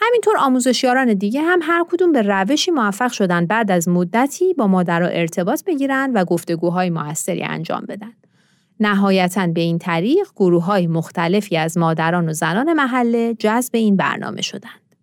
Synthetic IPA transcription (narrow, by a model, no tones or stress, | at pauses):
hæmint̪ʰo̞ɾɒːmuːze̞ʃjɒːɾɒːne̞d̪iːɟe̞ɦæmɦæɾkʰod̪uːmbe̞ræve̞ʃiːmoæfːæɣʃo̞d̪ænd̪̚bæːd̪æzmod̪ːæt̪ʰiːbɒːmɒːd̪æɾɒ̰ːʔe̞ɾt̪ʰe̞bɒːt̪ʰbe̞ɟiːɾænd̪væɡoft̪e̞ɡuːɦɒːjemoæsːe̞ɾḭːæ̰nd͡ʒɒ̰ːmbe̞̰d̪ænd̪̥ | næɦɒːjæt̪ʰænbe̞iːnt̪ʰæɾiːʁɡ̥oɾuːɦɒːjemoxt̪ʰæle̞fiːæzmɒːd̪æɾɒːnozænɒːne̞mæɦælːed͡ʒæzbe̞iːnbæ̰ɾnɒ̰ːmʔe̞̰ʃo̞̰d̪ænd̪̥